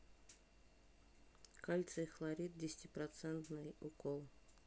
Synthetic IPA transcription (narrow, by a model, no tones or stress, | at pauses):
kalʲt̪səxlˠɐɾʲit̪̚dʲɪsʲtʲɪpɾɐt̪sɛnt̪nɨjʊkolˠ